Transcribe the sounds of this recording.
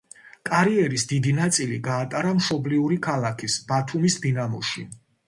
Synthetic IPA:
kʼaɾiɛɾisd̪id̪inat̪sʼiliɡaːt̪ʼaɾamʃɔbliuɾikʰalˠakʰisbat̪ʰumisd̪inamɔ̰ʃḭ

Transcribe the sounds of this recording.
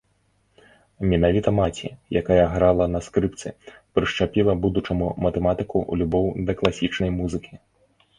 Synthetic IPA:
mʲɛnavʲit̪ɐmat͡sʲḭjakajɐɣɾalˠɐnɐskɾɨpt̪sɨ̰pɾɨʂt͡ʂapʲilˠɐbud̪ut͡ʂɐmumɐt̪ɛmat̪ɨkuṵlʲubɔwd̪ɐklˠasʲit͡ʂnɐjmuzɨkʲi

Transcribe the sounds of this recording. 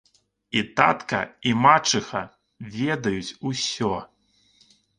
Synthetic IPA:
it̪a̰t̪kɐ̰imat͡ʂɨxɐ | vʲɛd̪ɐjut͡sʲusʲɔ

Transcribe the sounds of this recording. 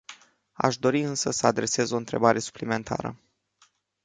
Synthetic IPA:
a̰ʃd̪o̞ɾiɨnsəsəad̪ɾe̞se̞zo̞ɨnt̪ɾe̞̰baɾʔe̞su̥plime̞nt̪ʰa̰ɾə̰

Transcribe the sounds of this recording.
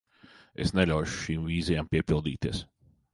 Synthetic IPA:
ḛsnɛlʲawʃu̥ʃiːmviːzɛjaːmpiɛpilˠd̪iːt̪iɛs

